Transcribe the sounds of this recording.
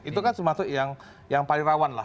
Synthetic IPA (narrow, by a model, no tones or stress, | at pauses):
it̪ukansəmasʊʔjaŋ | jaŋpalɪŋɾawanla̰